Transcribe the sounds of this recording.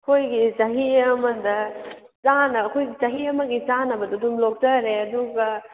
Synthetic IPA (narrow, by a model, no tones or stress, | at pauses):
kʰojɡisɐɦiɐmɐndɐ | t͡ʃanɐɐkʰojɡit͡ʃɐɦiɐmɐɡit͡ʃanɐbɐdudumlok̚tɐɾeɐduɡɐ